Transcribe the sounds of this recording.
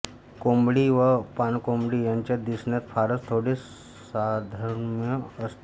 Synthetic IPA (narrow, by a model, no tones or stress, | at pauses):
kombɽiːʋəpankombɽiːjaɲt͡ɕjad̪isɳjat̪faɾəst̪ʰoɽe | sad̪ʱəɾmjəəst̪